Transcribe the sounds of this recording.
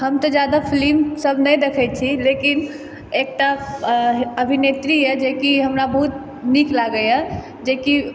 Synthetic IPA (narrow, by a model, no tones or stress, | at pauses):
həmt̪ɔd͡ʒjad̪apʰlimsəbʱnɛjd̪ekʰɛt͡ʃʰilekin | ek̚ʈa | əbʱinet̪ɾiɛd͡ʒekiɦəmɾabəɦut̪ | niklaɡəjɛ | d͡ʒeki